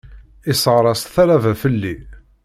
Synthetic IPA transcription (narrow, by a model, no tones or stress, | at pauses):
ɪsəʁɾˤɑst̪θæɾævæfəlːi